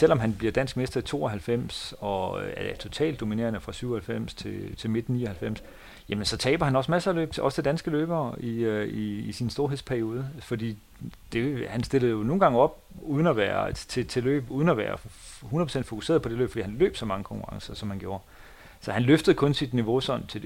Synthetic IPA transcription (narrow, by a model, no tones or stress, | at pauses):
sel̰ɒ̽mɦænb̥liɐd̥æn̰sɡ̥̚me̝sd̥ɐit͡sʰo̝̰ːɒɦælfem̰sɒ̽æɐd̥et͡sʰo̝t͡sʰɛ̰ːld̥ːo̝mine̝̰ɐnəfʁɑ̈syʊɒhælfem̰st͡sʰe̝t͡sʰe̝lme̝d̥n̩nḭːɐhælfem̰s | jæmənsɒ̽t͡sʰɛːb̥ɐhænɒ̽smæsɐælø̰ːb̥ʰeɒ̽sət͡sʰe̝d̥ænsɡ̥əlø̰ːb̥ɐːiiːsinsd̥o̝ɐɦe̝spʰæɐio̝ːð̞ˠəfɒ̽d̥ḭː | d̥e̝hænsd̥e̝lð̩ˠjo̝no̝ːn̩ɡ̥ɑ̈ŋəɒ̽b̥ | uːð̞ˠnæʋæːɐt͡sʰe̝t͡sʰe̝lø̰ːb̥uːð̞ˠnæʋæ̰ːɐ | hunðɐpʰosen̰d̥fo̝kuse̝ːɐðˠpʰɒ̽d̥e̝lø̰ːb̥fḭːhænlø̰ːb̥sɒ̽mɑ̈ŋəkʰɒ̽ŋkʰuʁɑ̈ŋsɐsɒ̽mhænɡ̥jo̝ːɐ | sɒ̽hænløfd̥əð̞̩ˠkʰɔ̽nsid̥niʋo̝sɒ̽n̰t͡sʰe̝